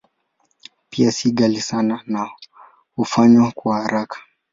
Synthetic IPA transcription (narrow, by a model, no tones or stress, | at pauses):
piasiɠalisanana | hufaɲwakwahaɾakʰḁ